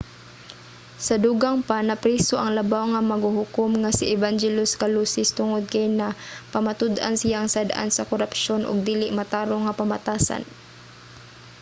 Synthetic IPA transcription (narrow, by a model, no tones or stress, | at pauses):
sɐd̪uɡaŋpanɐpɾiːsoʔɐŋlɐbawŋɐmɐɡhuhʊkʊmŋasɪʔɛvand͡ʒɛlʊskaluːsɪst̪ʊŋod̪̚kajnapɐmat̪ʊd̪ʔa̰nsɪjaŋsad̪ʔa̰nsɐkoɾapʃonʔʊ̰ɡ̚d̪iːlɪʔmat̪aːɾoŋːɐpɐmat̪aːsa̰n